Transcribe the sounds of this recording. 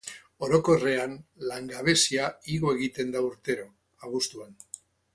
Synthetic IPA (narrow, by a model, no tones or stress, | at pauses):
o̞ɾo̞ko̞re̞anlaŋɡaβe̞siaiɣo̞e̞ɣ̞it̪e̞nd̪auɾt̪e̞ɾo̞ | aɣust̪uan